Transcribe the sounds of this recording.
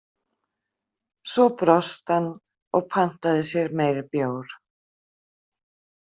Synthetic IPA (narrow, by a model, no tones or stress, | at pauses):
sɔpɾɔst̪hanː | ɔɣpʰan̥t̪aðɪsjɛɾmeːjɾɪpjoːwɾ̥